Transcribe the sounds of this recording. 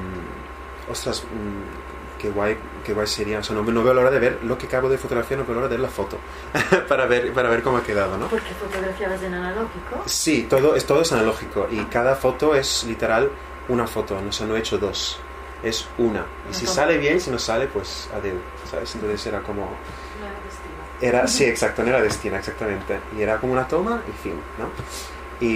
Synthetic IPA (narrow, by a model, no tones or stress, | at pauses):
ost̪ɾas | keɣwaj | kewajseɾiaoseanoβnoβe̞olaoɾaðeβeɾlo̞kekaβoðefot̪oɾafianoβeolaoɾaðeeɾlafot̪o | paɾaβeɾpaɾaβeɾkomoakeðaðonopoɾkefot̪oɣɾafjaðazenanaloxikosit̪oðoest̪oðoesanaloxikoʔikaðafot̪oeslit̪eɾal | unafot̪onosanoet͡ʃoðo̞s | esuna̰ | isisaleβjensinosːalepwesa̰ðew | sa̰βesent̪onθeseɾakomo | n | i | eɾasieksak̚t̪onoeɾaðest̪inaeksak̚t̪amẽnt̪eieɾakomounat̪omaʔifimno | i